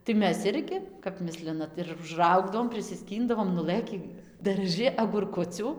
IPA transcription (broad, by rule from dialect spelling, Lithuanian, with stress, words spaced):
tɐɪ ˈmʲɛs ˈɪrʲɡʲɪ kɐp ˈmʲɪsʲlʲɪnɐt ɪr ʊʒˈrɐʊɡdɐʋoːm pʲrʲɪsʲɪˈsʲkʲiːndɐʋoːm nʊˈlˠɘkʲiː dɐrˈʒɨ ɐɡʊrˈkʊt͡sʲuː